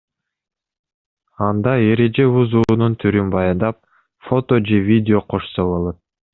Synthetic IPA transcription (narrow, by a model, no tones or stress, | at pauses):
ɑnd̪ɑe̞ɾe̞d͡ʒe̞βuzuːnunt̪ʰyɾynbɑjɑnd̪ɑp̚ | fo̞t̪o̞d͡ʒe̞vʲidʲɪo̞qʰo̞ʃsoβo̞lˠo̞t̪̚